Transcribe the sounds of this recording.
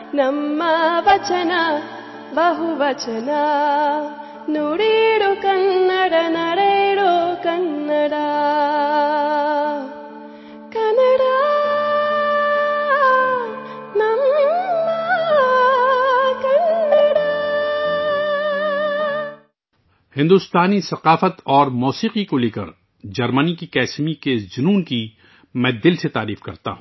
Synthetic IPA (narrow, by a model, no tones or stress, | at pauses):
nɐmːɐʋɐt͡ʃɐnɐ | bɐɦuʋɐt͡ʃɐnɐ | nuɽiɽokɐnːɐɽɐnɐɽeɽokɐnːɐɽa | kɐnɐɽa | namima | kɐnəɽa | hɪ̃nd̪ʊst̪aːnisɐqaːfət̪ɔːɾmuːsiːqikoleːkə̰ɾ | d͡ʒɐɾmənikikɛːsmikezʊnuːnki | mɛ̃ːd̪ɪlset̪aːɾiːfkɐɾt̪a̰ɦũː